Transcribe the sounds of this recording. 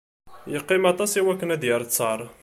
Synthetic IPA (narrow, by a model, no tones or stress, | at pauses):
jəqːimɑt̪ˤɑsiwækːənæd̪jəɾˤt͡sːɑɾˤ